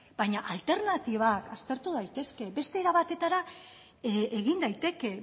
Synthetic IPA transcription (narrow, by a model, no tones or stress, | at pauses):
b̥ajɲaʔalt̪e̞ɾnat̪iβ̞akast̪e̞ɾt̪uð̞ajt̪e̞ske̞be̞st̪e̞ːɾaβat̪e̞t̪aɾa | eɣind̪ajt̪e̞ke̞